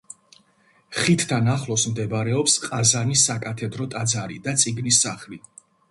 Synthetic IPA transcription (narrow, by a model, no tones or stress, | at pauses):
χit̪ʰt̪ʰanaχlˠɔsmd̪ɛbɾɛɔpsqʼazanisakʼat̪ʰɛd̪ɾɔt̪ʼad̪zaɾḭd̪at̪sʼiɡnisːaχli